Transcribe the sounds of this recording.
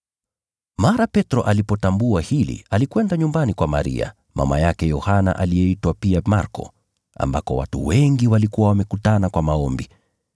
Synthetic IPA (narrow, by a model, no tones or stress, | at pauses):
maɾapɛtɾɔʔalipɔtambuahilḭalikwɛndaɲumbanikwama̰ɾḭa̰ | ma̰majakɛjɔhana̰ʔalijɛitwapiamaɾkɔ̰ | a̰mbakɔ̰wa̰tṵwɛŋɡiwalikuwawamɛkutanakwamaɔmbi